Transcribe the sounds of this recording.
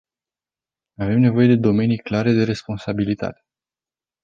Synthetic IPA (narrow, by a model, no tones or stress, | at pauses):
ave̞mne̞vo̞je̞d̪e̞d̪o̞me̞nijklaɾe̞d̪e̞ɾe̞spo̞nsabilit̪a̰t̪e̥